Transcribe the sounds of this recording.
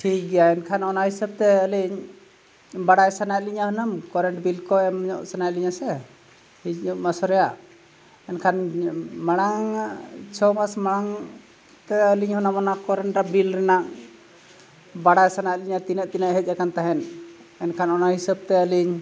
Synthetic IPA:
ʈʰik̚ɡɛjaɛnkʰanɔnahisəb̚t̪ɛəliɲ | baɽajsanajliɲaɦənəmkɔɾɛɳʈbilkɔɛmɲɔ̰ʔsanajliɲasɛ | hicmasɔɾɛjaʔ | ɛnkʰanmaɽ̃aŋt͡ʃʰɔmasmaɽ̃aŋ | t̪ɛəliɲhɔnamɔnakɔɾɛɳʈɾabilɾɛnaʔ | baɽajsanajliɲat̪inəʔt̪inəʔɦɛc̚ˀakant̪aɦɛn | ɛnkʰanɔnahisəb̚t̪ɛəliɲ

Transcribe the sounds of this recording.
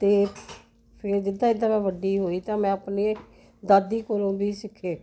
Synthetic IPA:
t̪eː | pʰɪɾd͡ʒɪd̪ãːɪd̪ãːmɛ̃ːʋəɖiːɦoːiːt̪ãːmɛ̃ːapneː | d̪aːd̪iːkoɾõːbiːsɪkʰːeː

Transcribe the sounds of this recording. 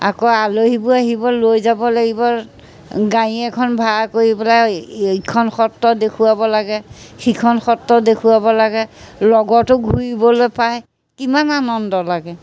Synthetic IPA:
a̰kɔaloɦibʊaɦibɔlojzabɔlaɡibɔ | ɡaiɛkʰɔnbʱakoɹipɛlajikʰɔnxɔtːɔdekʰuwabɔlaɡɛxikʰɔnxɔtːɔdekʰuwabɔlaɡɛlɔɡɔtʊɡʱuɹibɔlojpaj | kimananɔndɔlaɡɛ

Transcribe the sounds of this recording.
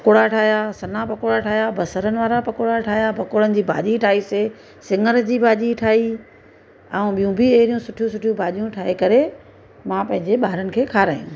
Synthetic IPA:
pɐkoɽaʈʰaːɦjasɐnapɐkoɽaʈʰaːɦjabɐsəɾənɪ̆ʋaːɾapɐkoɽaʈʰaːɦijapɐkoːɽənɪ̆d͡ʑiːbʱa̰ːʄiʈʰaːise | sɪ̃ŋəɾd͡ʑiːbʱaːʄiʈʰaːi | ɛ̃ũɓijũbʱɪeɦɾijũsʊʈʰijũsʊʈʰijũbʱaːʄijũʈʰaːɦekɐɾe | mãpɐ̃ɦɪ̃ɲd͡ʑeɓaːɦɾənɪ̆kʰeːkʰaːɾaːijũ

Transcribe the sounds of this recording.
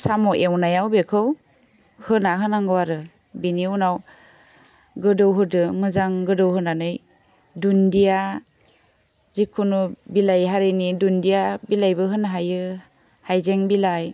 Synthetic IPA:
samɔʔewnajawbekʰɯw | hɯnaɦɯnaŋɡɯwaɾɯ | biniunaw | ɡɯdɯwɦɯdɯmɯzaŋɡɯdɯwhɯnanɯj | dundija | zikʰunubilajɦaɾenidundijabilajbɯɦɯnaɦajɯ | hajzeŋbilaj

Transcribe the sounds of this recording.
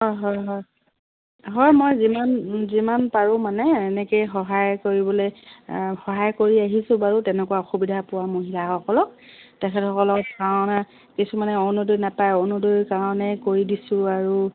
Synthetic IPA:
ɦɔjɦɔjɦɔj | ɦɔɹmɔjzimanzimanpaɹʊ̃manɛɛnɛkejxɔɦajkoɹibɔlojxɔɦajkoɹiaɦisʊ̃baɹutɛnɛkuwaɔxubidʱapʊwamoɦilaɔkɔlɔk̚ | tɛkʰɛtʰɔkɔlɔkkaɹɔna | kisumanɛɔnudojnapajɔnudojkaɹɔnɛkoɹidisʊ̃aɹu

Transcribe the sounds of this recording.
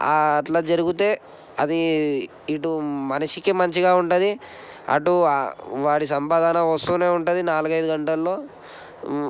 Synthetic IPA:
aːʈlaːd͡ʒɐɾuɡut̪e̞ː | ɐd̪i | iʈumɐnɐʂikimɐɲt͡ʃiɡaːuɳʈud̪i | ɐ̰ʈuʋaːɽis̬ɐmpaːd̪ʱaːnɐʋɐst̪uːneːuɳʈud̪inaːluɡɐjd̪uɡɐɳʈɐlːo̞ː

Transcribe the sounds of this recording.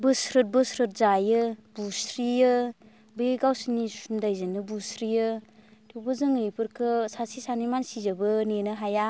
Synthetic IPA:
bɯsɾɯt̚bɯsɾɯt̚zajɯbusɾijɯ | beɡawsinisundajzɯnɯbusɾijɯtʰobɯzɯŋɯjpɯɾkʰɯsasisanimansizɯbɯnenɯɦaja

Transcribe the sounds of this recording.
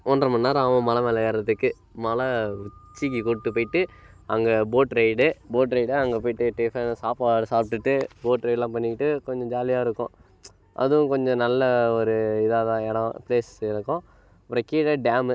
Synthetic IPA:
ɔnɾɐmɐnːaːɾaːmɐ̃mɐlɐmeːlɐɣaːɾɪɐt̪ːɯkːɯ | mɐlɐʊt͡ʃːikːikɔɽʈːɯpoːjɪʈːɯ | ɐŋɡɐboːʈɾɐɪɖɯboːʈɾɐɪɽɯɐŋɡɐpoːɪʈːɯʈeːfensaːpaːsaːpʈɯʈːɯboːʈɾɐɪɖlãːpɐnːɪɪʈːɯkɔɲd͡ʒɔ̃d͡ʒaːlɪjaːɪɾɯkːʊ̰̃ | ʔɐ̰ðɯʊ̃kɔɲd͡ʒɔ̃nɐlːɐɔɾɯɪðaːðãːɛɽɐ̃pleːsɪɾɯkːʊ̃ | ɐpːɯɾɐkiːʈɐɖaːmɯ

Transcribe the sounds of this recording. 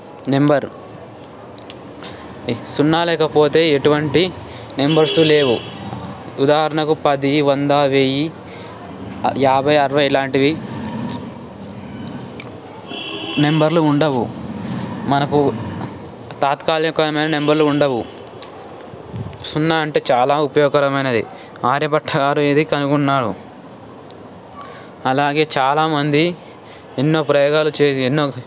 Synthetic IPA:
ne̞mbɐɾ | sunːaːlɛːkɐpo̞ːt̪e̞ːeʈuʋɐɳʈi | ne̞mbɐɾsule̞ːʋu | ud̪aːɦɐɾɐɳɐkupɐd̪iʋɐnd̪aːʋeːji | jaːbʱɐjɐɾɐʋɐjlaːɳʈiʋi | ne̞mbɐɾluuɳɖɐʋu | mɐnɐku | t̪aːt̪kaːlɐkɐɐmɐjnɐne̞mbɐɾluːɳɖɐwu | sunːaɐɳʈe̞ːt͡ʃaːlaːupɐjɔːɡɐɾɐmɐjnɐd̪ḭ | aːɾjɐpɐʈʰːɐɡaːɾuid̪ikɐnuɡunːaːɽṵ | ɐlaːɡe̞ːt͡ʃaːlaːmɐnd̪i | enːo̞ːpɾɐjɔːɡaːlut͡ʃeːenːoː

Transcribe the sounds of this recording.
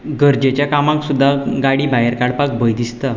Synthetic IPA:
ɡəɾd͡ʑet͡ɕjakamãksud̪ʱːaɡaɽiːbajəɾkaɽpak̚bəjd̪ist̪a

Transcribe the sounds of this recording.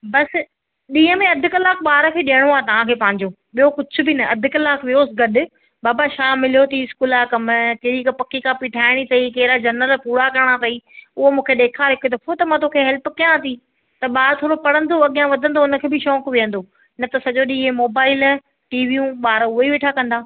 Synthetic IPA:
bɐs | ɗĩːə̃mẽɐd̪ʱʊkɐlaːk̚ɓaːɾəkʰeːɗiəɽ̃oaːet̪ɐʋ̤ãkʰeːpɐ̃ɦɪ̃ɲd͡ʑoː | ɓijokʊd͡ʑʰʊ̆bɪnɐɐd̪ʱʊkɐlaːkʋijoːsɡɐɗʊ̆ | baːbaʃaːmɪlijot̪ʰiɪskuːlakɐmkɪɾikpɐkikãpiʈʰaːɪɽ̃it̪ɐikeːɪɾad͡ʑɐɾnəlpuːɾakɐɾɽ̃at̪ɐiʊɦomũːkʰeɗ̪eːkʰaɦɪkʊd̪ɐfot̪ɐmãt̪oːkʰeɦɛlpkijãt̪ʰi | t̪ɐɓaːɾt̪ʰoːɾopɐɽə̃nd̪oɐɠijãʋɐd̪ʱə̃nd̪oʊnə̆kʰeːbɪʃɔːkʋijə̃nd̪o | nɐt̪ɐsɐʄoɗiːemoːbaːɪl | ʈiːʋiũɓaːɾʊɦoiʋeːʈʰakɐ̃nd̪aː

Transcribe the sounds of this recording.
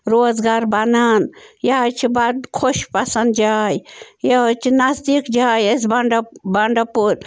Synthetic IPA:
ɾoːzɡaːɾbɐnaːnjat͡ʃʰibɐd̪kʰoʃpɐsɐnd̪d͡ʒaːjjat͡ʃʰinɐzd̪ikd͡ʒaːjes̬bɐɳɖɐbɐɳɖɐpuɾ

